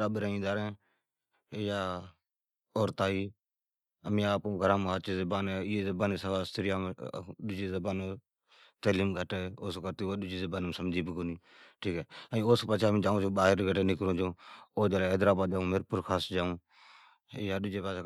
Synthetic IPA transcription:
aːɓɾaːĩːd̪aːɾẽː | jaː | oːɾt̪aːiː | əmĩːaːpõːɡʱəɾãːmɦaːt͡ʃeːzəbaːneɪeːzəbaːneːsəaːst̪əɾjaːmɗʊd͡ʒeːzəbaːnː | t̪əːliːmɡʱəʈeːoːsokəɾt̪iːoːɗʊd͡ʒiːzəbaːnmsəmd͡ʒiːbəɡoniː | ʈʰiːkɛːəĩoːspaːt͡ʃʰaːmĩːd͡ʒaːũːt͡ʃoːɓaːɦəɾɡʱəʈeːnɪkɾõːd͡ʒõːoːd͡ʒaːleːɦəd̪ɾaːbaːd̪d͡ʒaːũːmeɾpʊɾkʰaːsd͡ʒaːũː | jaːɗʊd͡ʒeːpaːt͡ʃʰː

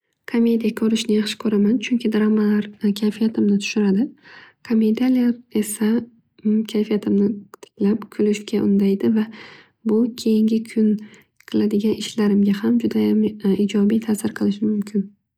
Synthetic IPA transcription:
kʰomʲːe̞d̪ijakʰɵɾɪʃnɪjaχʃɪ̥kʲʰɵɾamant͡ʃʰʊŋkʲʰɪd̪ɾamalaɾkʲʰajfijat̪ʰɪmnɪt̪ʰʊ̥ʃʊɾad̪ɪkʰomed̪ialijaɾe̞sa | kʲʰajfijat̪ʰɪmnɪt̪ʰɪ̥kʲʰlapkʲʰʊlɪʃkʲaʔʊnd̪ajd̪ɪva | bʊkʲʰe̞jɪŋɡʲɪkʰʊn | qʰɨlˠad̪ɪɡʲanɪʃlaɾɪmɡʲahamd͡ʒʊd̪ajamid͡ʒɒbijt̪ʰasɪɾqʰɨlˠɪʃɪmʊmkʲʰɪn

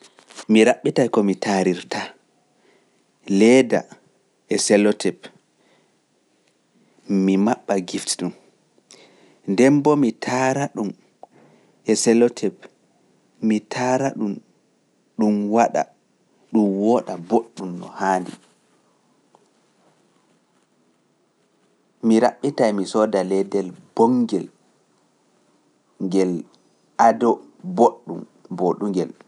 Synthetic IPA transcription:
miɾaɓːitajkɔmitaɾiɾtʰa | lɛːda̰ | ɛsɛlɔtʰɛp | mimaɓːaɡiftɗum | ndɛmbɔmitʰaɾaɗum | ɛsɛlɔtʰɛp | mitʰaːɾaɗum | ɗumwaɗa̰ | ɗumwɔːɗaboɗːumnɔ̰haːndḭ | miɾaɓːitajmisɔːdalɛdɛlbɔŋɡɛl | ŋɡɛl | ʔadɔ | boɗːum | boɗuŋɡɛl

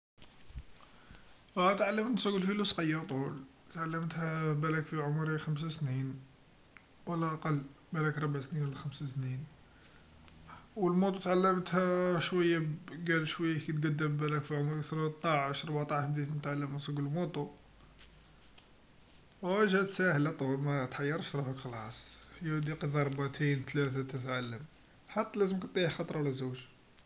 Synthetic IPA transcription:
t̪ʕalːəmnsˤuɡəlfilusqɑjːəɾt̪ˤul | t̪ʕalːəmt̪hæbælækfiʕʊmɾixæms̬asnin | wəlːæʔɑqɑlː | bælækɾˤɑbʕsninwlːæxæmsasnin | wəlmut̪ˤut̪ʕalːəmt̪hæʃwəjːaɡælʃwæjːakit̪ɡæd̪ːəmbælækfiʕʊmækt̪ɾt̪ˤːɑʕəʃɾˤbʕt̪ˤɑʕʃbd̪it̪int̪ʕaləmæsˤuɡllmut̪ˤu | wæʒæt̪sæhəlæt̪ˤumæt̪ħɑjːɑɾˤʃt̪ɾˤɑfəkxlɑ̰sˤjæd̪iqidɑɾˤbaʕt̪ʰint̪læt̪æt̪ət̪ʕalːəm | ħat̪ːælæzəmkət̪ˤːixɑt̪ˤɾˤwlæzuwʒ

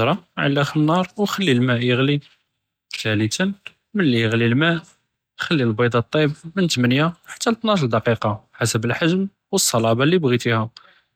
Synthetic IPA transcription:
ɾˤɑʕa̰lːæxənːɑɾˤwxəlːilmæʔjəɣli | ʃælit̪ən | mənlːijəɣlilmæʔ | xəlːilbɑd̪ˤɑt̪ˤːibmənt̪mənjaħḁt̪ːælt̪nɑʃld̪ɑqiqɑħasəbəlħaʒm | wəsˤːɑlɑbɑlːibɣit̪ihæ

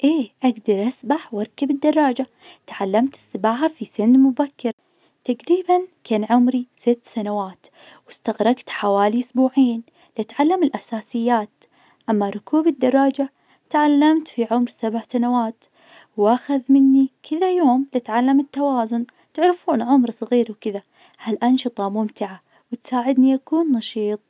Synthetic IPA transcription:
ʔeːʔaɡd̪ɑɾˤʔasbaħwɑɾˤkːabɪd̪ːɑrˤːɑːd͡ʒa | t̪ʕalːamt̪ɪ̥sːɪbaːʕɦafisɪnːmʊbakːɪɾ | t̪aɡɾiːbankʰaːnʕʊmɾisɪt̪ːsanawaːt̪ | wɪst̪aɣɾˤɑɡt̪ħawaːliʔʊsbuːʕiːn | lɪʔat̪ʕalːamɪlʔasaːsɪjːaːt̪ | ʔamːaɾˤʊkʰuːbɪd̪ːɑɾˤɑːd͡ʒaʕ | t̪ʕalːamt̪fiʕʊmɾsabʕsanawaːt̪ | wʔaxaðmɪnːikʰɪðajoːmlɪt̪ʕalːamɪt̪ːawaːzʊn | t̪ɪʕɾɪfuːnʕʊmɾsˤɣiːɾwkɪða | halʔɑnʃɨt̪ˤɑmʊmt̪ɪʕa | wɪt̪saːʕɪd̪niʔakuːnːɑʃiːt̪ˤ

